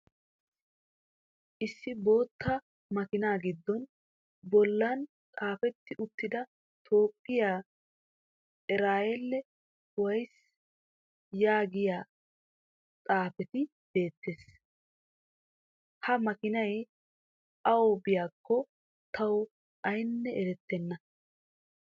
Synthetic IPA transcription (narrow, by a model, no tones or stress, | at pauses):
ʔɪsːɪbo̞ːt̪ːɐ | mɐkɪnaːɡɪd̪ːɔn | bɔlːɐn | t͡sʼaːfɛt̪ːɪʔʊt̪ːɪd̪ɐ | t̪ʰo̞ːpʼːɪjaː | ɪɾaːjɛlːɛ | ʊwɐjs | jaːɡɪjaː | t͡sʼaːfɛt̪ɪ | b̥e̞ːt̪ːeːs | hɐmɐkɪnɐj | ʔɐwɔbɪjaːkːɔ | t̪ʰɐw | ʔɐjnːɛɛɾɛt̪ːɛnːɐ